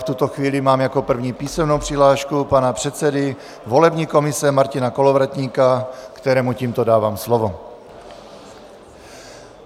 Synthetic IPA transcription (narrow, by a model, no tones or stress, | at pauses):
ft̪ut̪oxviːlɪmaːmjako̞pr̩vɲiːpiːsɛmnowpr̥ɪɦlaːʃkupanapr̝̥ɛt̪sɛdɪ | vo̞lɛbɲiːko̞mɪsɛmaɾcɪnako̞lovɾat̪ɲiːkakt̪ɛɾɛːmuciːmt̪odaːvaːmslovo